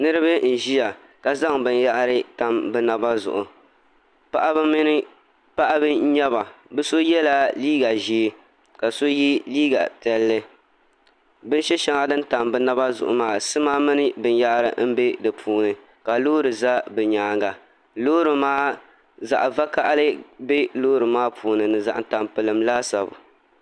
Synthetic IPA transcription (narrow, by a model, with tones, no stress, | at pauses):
nɨ˦ɾɨ˦bɨ˦n̩˨ʒi˦ja˨ | ka˨za˦ŋbɨ˨nja˦ʔɾɨ˦ta˨mbɨ˦na˨ba˦zʊ̰˨ʔʊ˨ | pa˦ʔa˦bm˦n˦ | pa˦ʔa˦bɨ˦ɲɛ˦ba˨bɨ˦so˦jɛ˦la˦liː˦ɡa˨ʒi˦ | ka˨so˦ji˦liː˦ɡa̰˨tɛ˨lːɨ˦ | bɨ˦n˦ʃɛ˦ʃɛ˦ŋa˦˨dɨ˦nta˨mbɨ˦na˦ba˦zʊ̰˨ʔʊ̰˨maː˦sɨ˦ma˦mɨ˦nɨ˦bɨ˦n˦ja˦ʔɾɨ˨m̩˦be˦dɨ˨pʰuː˦nɨ˨ | ka˨loː˦ɾɨ˨za˦bɨ˨ɲaː˨˦ŋɡa˨ | loː˦ɾɨ˨maː˦ | za̰˨ʔva˦ka˦ʔa˦lɨ˦be˦loː˦ɾɨ˨maː˦pʰuː˨nɨ˨nɨ˨za̰˨ʔa˨ta˨mpɨ˨lɨ˨mlaː˦sa˨bʊ̰˨